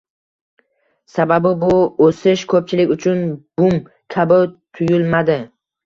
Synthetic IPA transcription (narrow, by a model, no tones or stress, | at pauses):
sababɪbʊosɪʃkʰɵp̚t͡ʃʰɪlɪkʲʊt͡ʃʰʊnb̥ʊm | kʲʰabɪt̪ʰʊjʊlmad̪ɪ